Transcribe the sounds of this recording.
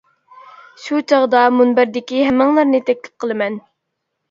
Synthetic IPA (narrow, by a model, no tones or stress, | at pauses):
ʃut͡ʃʰɑʁd̪ɑmunbæɾd̪ɪkʲiɦɛmːɨŋlˠɨɾnɨt̪ʰɛk̚ʲlɪ̥p̚qʰəlˠɨmɛn